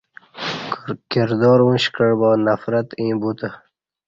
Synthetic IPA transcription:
kɪɾd̪ɔːɾũːɕkəɳbɔːnafɾat̪ĩːbuːt̪ə

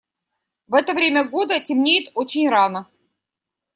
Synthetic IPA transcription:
vɛt̪əvɾʲemʲəɡo̞d̪ətʲɪmnʲejɪt̪ot͡ɕɪnʲɾanə

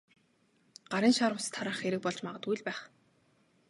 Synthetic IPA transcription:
ɢ̥aɾiːnʃaɾwʊ̆st̪ʰːaɾaːχxeɾɘ̆k̚pɔɮt͡ɕmaʁə̆t̪ujɮpæːχ

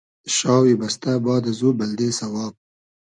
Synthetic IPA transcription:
ʃɑːwibast̪abɑːd̪azubald̪esawɑːb̚

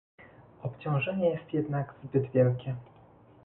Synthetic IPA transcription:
ɔpt͡ɕɔ̃w̃ʐɛɲɛjɛst̪jɛd̪naɡzbɘd̪vʲjɛlkʲɛ

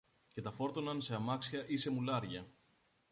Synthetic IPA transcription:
ce̞t̪ɐfo̞ɾt̪o̞nɐnse̞ɐmɐksiɐʔise̞mulɐɾʝɐ

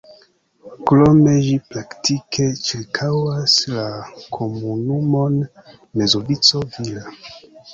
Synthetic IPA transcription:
kɾomed͡ʒipɾaktikʰe̞t͡ʃiɾkʰawaslakʰomunumo̞n | me̞zobit͡so̞vila

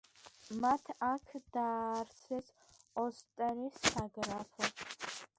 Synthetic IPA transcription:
mat̪ʰakʰd̪aːrsʰɛz | ɔst̪ʼɐɾisaɡɾapʰɐ

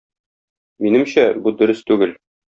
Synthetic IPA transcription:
minɘmɕæbud̪ɵ̆ɾɘst̪ʉɡɘl

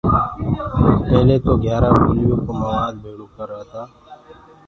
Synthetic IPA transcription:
pəɦleːt̪oːɡjaːɾaːkɪlɪjõːkoːməʋaːd͡ʒbʱeːɽoːkəɾaːt̪aː

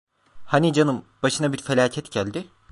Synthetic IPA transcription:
hanid͡ʒanɯmb̥aʃɯnabiɾfelʲaːcʰɛt̪ɟælʲd̪ɪ

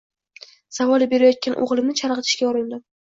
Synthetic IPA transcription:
savɒlˠɪbe̞ɾajɒt̪̚kʲanʔo̰ʁlˠɪmnɪt͡ʃʰaɾʁɨt̪ʰɪ̥ʃkʲaɒɾɪnd̪ɪ

